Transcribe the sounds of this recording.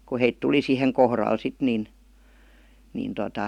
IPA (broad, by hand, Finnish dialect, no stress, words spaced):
ku heit tuli siheŋ kohrɑl sit nin nin totɑ